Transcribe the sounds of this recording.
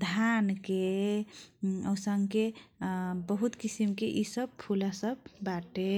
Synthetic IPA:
d̪ʱanke | əwsəŋɡke | bəɦut̪kisimkeʔisəb̚pʰulasəbːaʈe

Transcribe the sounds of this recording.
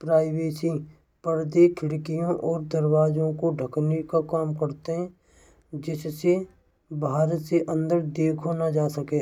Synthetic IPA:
pɾaːɪweːsĩ | pəɾd̪ekʰɪɽkijõʔɔːɾd̪əɾwaːd͡ʒõkoɖʱəknikakaːmkəɾt̪eɦɛ̃ | d͡ʒɪsse | bʱaːɾət̪seʔə̃nd̪əɾd̪eːkʰonad͡ʒaːsəkeː

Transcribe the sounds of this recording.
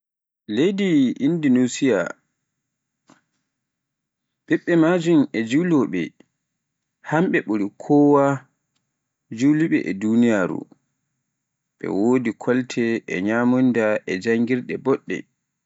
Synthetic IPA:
lejdiʔindinusija̰ | ɓɛɓːɛmad͡ʒumɛd͡ʒuwlɔɓɛ̰ | hamɓɛɓuɾikʰɔːwa | d͡ʒuwliɓɛ̰ʔɛdunijaːɾṵ | ɓɛ̰wodikʰɔltʰɛɛ̰ɲamundaʔɛd͡ʒaŋɡiɾɗɛbɔɗːɛ̰

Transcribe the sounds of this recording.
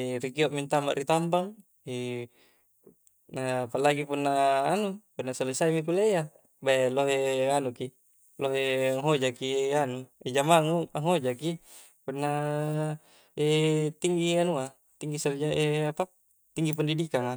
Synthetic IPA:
ɾikioʔmint̪ama̰ʔrit̪ambaŋ | e | napalaɡipunːaːnupunːasalesaimik̬uleja | baloɦeanuki | loɦeaŋɦod͡ʒakianued͡ʒamaŋuaŋɦod͡ʒaki | punːa | et̪iŋɡianua | t̪iŋɡisard͡ʒaʔeapa | t̪iŋɡip̬andidikaŋa

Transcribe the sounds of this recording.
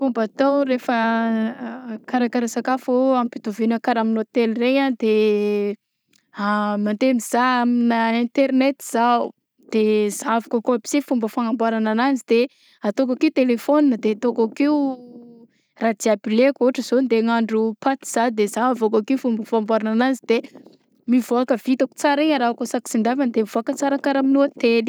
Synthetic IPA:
fumbat̪owɾefə | kaɾakaɾasakafoampit̪uvinakaɾaminot̪elrejand̪e | amant̪emiz̥aaminəint̪eɾnet̪iz̥au | d̪̥ezavakəkoabi̥sifumbəfaŋambaɾanananzid̪̥e | at̪ok̬akiut̪elefoninəd̪eat̪okakiu | rad̪iabilekoɦʈ͡ʂəz̥ond̪eŋaɳɖ͡ʐupat̪i̥z̥ad̪ezaavokakiufumbəfambaɾanananzid̪e | mivoakəv̥it̪aku̥t͡saɾiaɾakosaki̥sind̪avand̪emivoakət͡saɾakaɾaminuat̪eni̥

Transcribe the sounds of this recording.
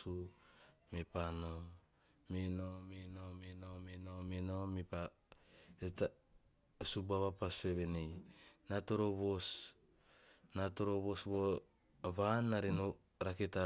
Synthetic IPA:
u | mepano | menomenomenomenomenomepa | eta | subaβapaseβenejnatoɾoβos | nato̞ɾoβosβo | βanːaɾeno | ɾaketa

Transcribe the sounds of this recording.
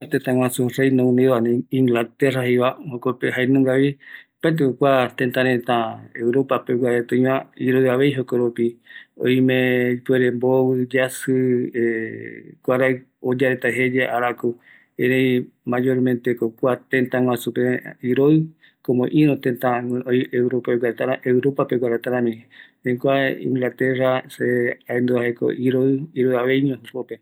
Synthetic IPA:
t̪ẽnt̪ãŋʷwãsũrejnõũnianẽiŋɡlat̪eraɦiβahokopeɦajnũŋɡaβipaet̪̬ekokʷat̪ẽnt̪ãɾẽnt̪ãewɾopapewʷaɾet̪ɨ̃ĩβãiɾoɨaβejɦokoɾupio̰jmẽipweɾẽmboβɨd͡ʒasɨe | kʷaɾaj | od͡ʒaɾet̪aɦed͡ʒeʔaɾaku | ẽɾej | mad͡ʒoɾmẽnt̪ekokʷat̪ẽnt̪ãŋw̃ãsupeiɾoɨ | komõʔĩɾot̪ẽnt̪ãjewɾopaewaɾt̪aɾaʔeuɾopapeɡʷaɾat̪aɾãmĩ | ẽkʷaḭ̃ŋɡlat̪eraseaend̪uaɦeko̰ʔiɾoɨiɾoaβejɲõɦukope

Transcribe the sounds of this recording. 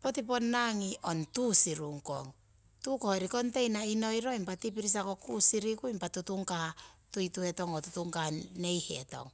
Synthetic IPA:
po̞tip̬o̞nːaŋiʔo̞ntusiɾuŋko̞̰ŋ | tukoheɾiko̞nte̞jnaino̞jɾo̞impatipiɾis̬ako̞kusiɾikuimpatutuŋkatujtue̞to̞ŋotutuŋkane̞jhḛto̞̰ŋ

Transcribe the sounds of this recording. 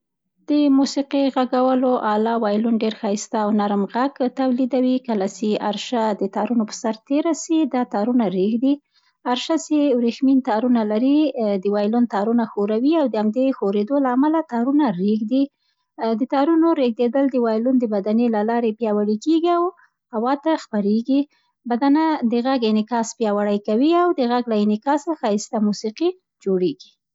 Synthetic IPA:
d̪̥əmusiqiɣaɡawəloʔɑlɑwɑjlunɖeɾxɑst̪aːwnaɾmɣaɡt̪awlid̪awikəlat͡ʃeaɾʃad̪ət̪ɑɾunopə̥saɾt̪eɾasid̪ɑt̪ɑɾunaɾeɡd̪i | aɾʃasewɾexmint̪ɑɾunalaɾid̪əwɑjlunt̪ɑɾunaxoɾawiawd̪əamd̪exoɾed̪olaːmalat̪ɑɾunaɾeɡd̪i | d̪ət̪ɑɾunoɾeɡ̚d̪ed̪əld̪əwɑjlund̪əbad̪anelalɑɾepjɑwaɽikeɡiaw | hawɑt̪axpaɾeɡi | bad̪anad̪əɣaɡɪnɪkɑspjɑwaɽajkawiawd̪əɣaɡlaɪnɪkɑsaxɑɪst̪amusiqi | d͡ʒoɽeɡi̥

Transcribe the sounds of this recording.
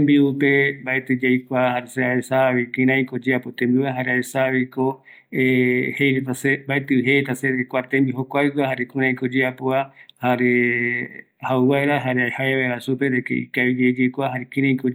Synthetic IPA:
embiupembaet̪ɨd͡ʒajkʷahaɾeseaesaβikĩɾ̃ãĩkod͡ʒeapot̪ẽmbiwaɦaɾeaesaβiko | ehejɾet̪asebaet̪ɨɦet̪aseɾekʷaɾt̪embiɦokʷajkwahaɾekũɾ̃ãĩkod͡ʒeapoahaɾe | hauβaeɾaɦaɾeahaeβaeɾasupeɾekḛḭkaβid͡ʒed͡ʒejkʷaɦaɾekĩɾ̃ãĩko

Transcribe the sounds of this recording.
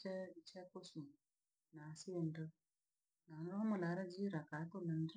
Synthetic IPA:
ɛt͡ʃɛkosu | nasiendə | nanɾomalaɾad͡ʒiɾakatolənd

